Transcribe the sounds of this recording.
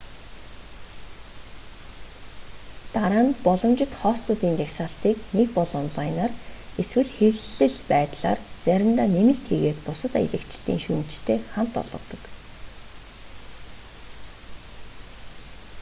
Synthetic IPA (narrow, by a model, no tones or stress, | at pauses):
t̪aɾaːnpɔɮɞ̆mt͡ɕɪ̆t̪χɔːst̪ʰʊt̪iːnt͡ɕaksaːɬt̪iːknekpɔɮɔnɮajnaːreswɘ̆ɮxewɮɘ̆ɮpæːt̪ɮa̰ːrt͡sæɾʲɪ̆mt̪aːnemɘ̆ɬt̪ʰeɣeːt̪pʊsə̆t̪a̰jḭɮɘ̆kt͡ɕt̪ḭːŋʃuːn̥t͡ɕt̪ʰeːχam̥t̪ɔ̰ɮʁɞ̆t̪ɞ̆k